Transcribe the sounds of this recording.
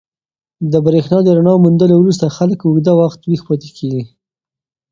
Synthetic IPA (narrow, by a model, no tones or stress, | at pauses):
d̪əbɾexnɑd̪əɾaɳɑmund̪əlowɾus̬t̪axaləkʊɡd̪awaxt̪wixpɑt̪e̥kʰeɡi